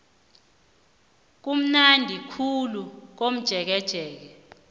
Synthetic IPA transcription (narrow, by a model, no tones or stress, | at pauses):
k̬um̩nandʱikʰuluk̬om̩d̥ʒ̥ʱɛk̬ɛd̥ʒ̥ʱɛːk̬ɛ